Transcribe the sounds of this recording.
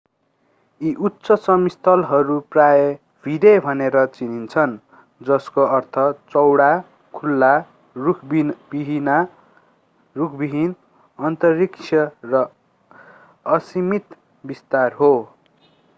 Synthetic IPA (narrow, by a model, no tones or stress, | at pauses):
iʔut̪ːsʌsʌmist̪ʰʌlɦʌɾuprajʌ | bʱiɾebʱʌneɾʌt͡sinint͡sʰʌn | d͡zʌskoʌrt̪ʰʌt͡sʌwɽa | kʰulːa | rukʰbiɦina | rukʰbiɦin | ʌnt̪ʌrikt͡sʰjʌrʌ | simit̪ | bist̪arɦo